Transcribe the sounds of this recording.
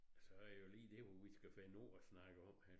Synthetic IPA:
sɒ̽æjo̝liːd̥e̝ʋɒʋisɡ̥æfæno̝ːɒsnɑ̈ɡ̥əɒ̽m̰hæ

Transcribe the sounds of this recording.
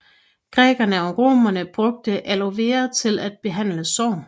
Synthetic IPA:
ɡ̥ʁɛ̰ːɡ̥ɐnəɒ̽ʁo̝̰ːmɐnəb̥ʁɔ̽ɡ̥̚d̥əʔæloʋe̝̰ːɐðˠt͡sʰe̝læd̥̚b̥e̝ɦæn̰ləsɒ̰ʊ̰n

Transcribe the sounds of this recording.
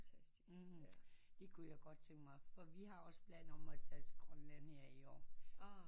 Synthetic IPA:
ft͡sʰæsd̥i | d̥e̝kʰujaɡ̥ɒ̽d̥̚t͡sʰeŋmɑ̈ɪfɒ̽ʋihɑ̈ɒ̽sb̥læn̰ɒ̽mæt͡sʰæsɡ̥ʁœnlænheɐ̰iɒ̰ː

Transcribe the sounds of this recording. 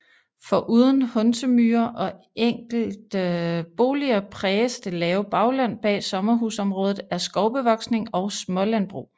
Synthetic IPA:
fɒ̽ʔuːð̞ˠən̩hɔ̽nsəmyːɐʔɒ̽ | eŋ̰ɡ̥l̩d̥b̥o̝ːliɐpʰʁɛːsd̥elɛːʊb̥ɑ̈ʊlæn̰b̥ɛ̰ːsɒ̽mɐɦusɒ̽mʁɔ̽ːð̞ˠð̩ˠæɐsɡ̥ɒʊb̥əʋɒ̽ɡ̥sne̝ŋɒ̽ʊsmɒ̽lænb̥ʁṵː

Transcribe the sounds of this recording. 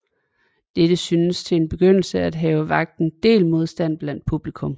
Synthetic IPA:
d̥ed̥əsynəst͡sʰe̝e̝nb̥e̝ɡ̥øn̰l̩səæd̥ɦɛːʊəʋɑ̈ɡ̥̚d̥n̩d̥e̝̰ːlmo̝ð̞ˠsd̥æn̰b̥læn̰d̥̚pʰub̥likʰɔ̽m

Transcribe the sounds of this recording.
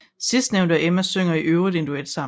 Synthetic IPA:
sisd̥neʊnd̥ɐʔemæsøŋ̰ɐiʔøʊʁid̥e̝nd̥ued̥sɑ̈m

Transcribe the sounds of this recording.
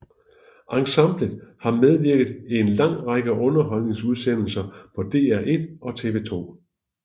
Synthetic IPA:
ʔɑ̈ŋsɑmb̥ləðˠhɑ̈með̞ˠʋiɐ̰ɡ̥ð̞̩ˠe̝nlɑ̈ŋ̰ʁɑ̈ɡ̥əʔɔ̽nɐɦɒ̽l̰ne̝ŋsuð̞ˠsen̰l̩sɐpʰɒ̽d̥e̝̰ːæɐʔe̝d̥ʔɒ̽t͡sʰe̝ʋe̝̰t͡sʰo̝̰ː

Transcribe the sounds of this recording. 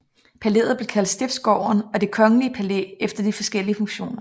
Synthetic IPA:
pʰæle̝ðð̩ˠb̥le̝̥kʰæld̥sd̥e̝b̥sɡ̥ɒʊ̰ɐnɒ̽d̥e̝kʰɒ̽ŋəliəpʰælḛefd̥ɐd̥ifɒ̽sɡ̥el̰iəfɔ̽ŋɕo̝̰ːnɐ

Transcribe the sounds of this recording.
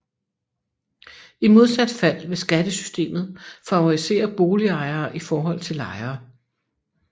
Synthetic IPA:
imo̝ð̞ˠsæd̥fæl̰ʋe̝sɡ̥æd̥əsy̥sd̥e̝̰ːmð̩ˠfɒæise̝̰ːɐb̥o̝ːliɑ̈ɪɐːʔifɒːɦɒ̽l̰t͡sʰe̝lɑ̈ɪɐː

